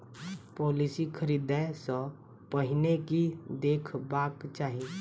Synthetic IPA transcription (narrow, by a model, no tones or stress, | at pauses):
pɔːlisikʰəɾiːd̪ɛsə̃ | pəɦɪnekid̪eːkʰbaːkt͡ʃaːɦi